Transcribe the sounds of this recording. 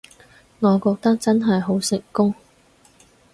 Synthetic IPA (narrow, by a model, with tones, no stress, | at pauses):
ŋɔː˨˧kɔː˧k̚t̪ɐ˥k̚t͡sɐ˥nɦɐ˨jɦo˨˥wsɪ˨ŋkʊ˥ŋ